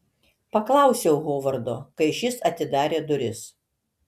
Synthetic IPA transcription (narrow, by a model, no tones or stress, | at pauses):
pɐklˠɐˑʊsʲɛʊɣoːʋɐɾd̪oːkɐɪʃʲɪsɐt̪ʲɪd̪ɑːɾʲeːd̪ʊɾʲɪs